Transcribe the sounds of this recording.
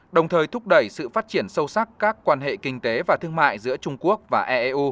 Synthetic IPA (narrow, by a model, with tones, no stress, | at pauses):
ɗə˨˩wŋ͡mt̪ʰəː˨˩jt̪ʰʊ˦˥k͡p̚ɗə˧˩jsɨ̰˧˨faː˦˥t̚t͡ɕi˧˩ənsə˧wsa˦˥kkaː˦˥kːwaː˧nɦḛ˧˨kï˧ŋ̟t̪e˨˦vaː˨˩t̪ʰɨ˧əŋma̰ː˧˨jzɨ̰˧˥ət͡ɕʊ˧ŋ͡mku˦˥ək̚vaː˨˩ʔɛ˧ʔe˧ʔu˧